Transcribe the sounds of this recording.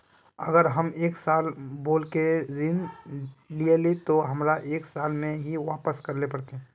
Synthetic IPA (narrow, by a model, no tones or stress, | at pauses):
ə̰ɡəɾɦəmeːksaːlboːlkeɾɪn | lielet̪oɦɐmɾaʔeːksaːlmẽɦiʋaːpəskɐɾlepɐɽt̪eɦɛ̃